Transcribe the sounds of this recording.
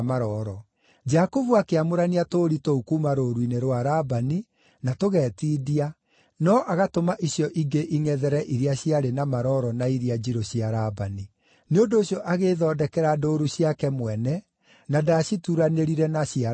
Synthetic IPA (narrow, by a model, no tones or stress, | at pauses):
maɾɔɾɔ | d͡ʒakovuakeamoɾaniatoɾitoukumaɾoːɾwineɾwaɾabani | natoɣɛːtiːdia | nɔʔaɣatomaʔiɕjɔʔiɡeʔiŋɛðɛɾɛʔiɾiaɕiaɾenamaɾɔːɾɔnaiɾiad͡ʑiɾoɕiaɾabani | neondoːɕjɔʔaɣeðɔːdɛkɛɾadoːɾuɕiakɛmwɛnɛ | nadaɕituɾaneɾiɾɛnaɕia